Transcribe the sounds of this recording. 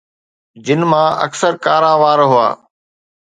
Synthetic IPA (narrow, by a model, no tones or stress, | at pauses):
d͡ʑɪnmãɐ̰ksəɾkaːɾaːʋaːɾɦʊa̰ː